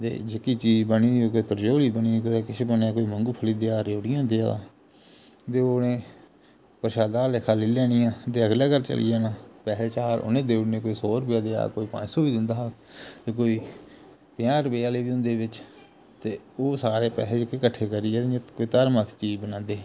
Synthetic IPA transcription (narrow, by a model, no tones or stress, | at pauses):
t̪ḛːd͡ʒekiːt͡ʃiːd͡ʒbəniːioːkoːiːt̪əɾd͡ʒoːliːbəniːkoeːkɪt͡ʃʰeːbəneaːkoːiːməŋɡuːpʰəliːd̪eːaːɾeːʊɽɪjãːd̪eːa̰ː | t̪eːoːnẽː | pəɾʃaːd̪aːleːkʰaːliːlɛːɽ̃ijãːt̪eːəɡlaːkəɾt͡ʃə̰lḭːjaːnaːpɛːseːt͡ʃaːɾʊ̰nẽːd̪eːʊɽnẽːkoːiːsoːɾʊpjaːd̪eːa̰ːkoːiːpã̰ːd͡ʒsoːbiːd̪ɪnd̪aː | t̪eːkoːiː | pɪjãːɾəpejaːleːbiːʊ̃nd̪eːbɪt͡ʃ | t̪eːoːsaːɾeːpɛ̰ːseːd͡ʒɪkeːkəʈʰːeːkəɾiːɛ̃ːkoiːt̪əɾmət̪ʰt͡ʃiːd͡ʒbənãːnd̪eː